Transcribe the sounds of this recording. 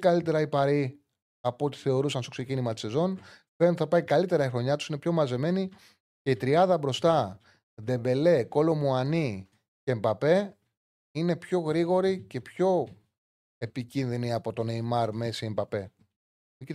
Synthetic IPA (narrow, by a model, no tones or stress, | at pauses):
kɐlit̪e̞ɾɐipɐɾi | ɐpuot̪i̥θe̞o̞ɾusɐnst̪o̞kse̞cinimɐt̪i̥se̞zo̞npet̪iθɐpɐikɐlit̪e̞ɾɐixɾo̞ɲɐt̪u̥sine̞pço̞mɐze̞me̞ni | ce̞it̪ɾiɐðɐbɾo̞st̪ɐ | ðe̞be̞le̞ko̞lo̞muɐni | cembɐpe̞ | ine̞pço̞ɣɾiɣo̞ɾice̞pço̞ | e̞picinðiniɐpo̞t̪o̞neimɐɾme̞siembɐpe̞ | i